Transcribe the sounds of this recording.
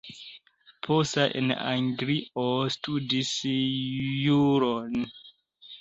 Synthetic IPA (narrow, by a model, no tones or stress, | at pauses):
pʰosaʔḛna̰ŋɡɾiʔostudis | juɾon